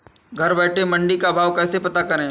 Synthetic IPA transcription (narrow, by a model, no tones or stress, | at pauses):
ɡʱɐɾbɛːʈʰemɐ̃ɳɖikabʱaːʋkɛːsepɐt̪akɐɾẽ